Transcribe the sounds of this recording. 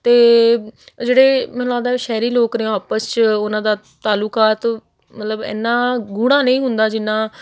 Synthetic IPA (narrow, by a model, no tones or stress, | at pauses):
t̪eː | d͡ʒeːɽeːmɛ̃ːnːãːd̪aːʃɛːɾiːloːkneːaːpəst͡ʃʊnãːd̪aː | t̪aːluːkaːt̪ | mət̪ləbɛ̰ːnːãːɡuːɽãːnẽĩːɦʊnd̪aːd͡ʒɪnːãː